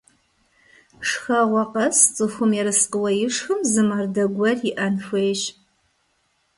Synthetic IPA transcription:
ʂxɐʁʷɔqɐst͡sʼɨxʷʊmjɛɾɨsqəwɐjɪʂxɨmzɨmaːrdɐɡʷɐrjɪʔɐnfʷeːjʃ

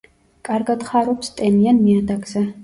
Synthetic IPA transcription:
kʼaɾɡad̪χaɾɔpst̪ʼɛnianmiad̪aɡzɛ

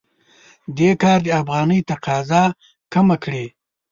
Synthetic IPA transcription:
d̪ekɑːɾd̪əafɣɑːnəjt̪aqɑːzɑ | kamakɽe

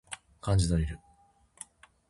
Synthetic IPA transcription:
kãɲ̟d͡ʑid̪oɾʲiɾɯ̟

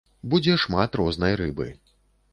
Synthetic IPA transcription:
bud͡zʲɛʂmat̪rɔznɐjɾɨbɨ̰

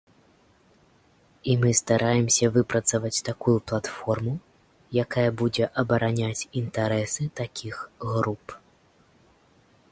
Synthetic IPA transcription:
imɨst̪aɾʔajɛmsʲɐvɨpɾɐt̪sɐvɐt͡sʲt̪akujuplˠat̪fɔrmu | jakajɐbud͡zʲɛʔɐbɐɾanʲat͡sʲint̪aɾɛsɨt̪akʲʰixɣɾup

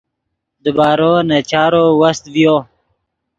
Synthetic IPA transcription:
d̪əbaːɾoːnat͡ʃaːɾowɐst̪vijo

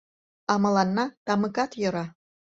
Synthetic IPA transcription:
ɑmɤ̆lɑnːɑt̪ɑmɯkɑt̪jɤ̆ɾɑ

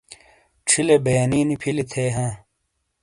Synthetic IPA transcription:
ʈ͡ʂʰilebejniːnipʰilit̪ʰeːɦãː

